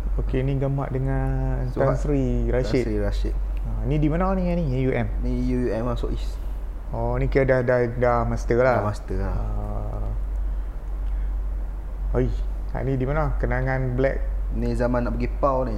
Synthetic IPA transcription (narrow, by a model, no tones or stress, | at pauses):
okeniɡəma̰ʔdəŋa | nt̪ansɾiɾaʃitiɾasḭt̪̚ | anĩdimanawniŋanijuʔɛmnijuuɛmasɔ̰ʔis | ɔnikiədahdahdahmast̪əlaast̪əaa | aj | a̰ʔnidimanakənaŋãnblɛ̰k̚nizamãnːaʔpəɡipawni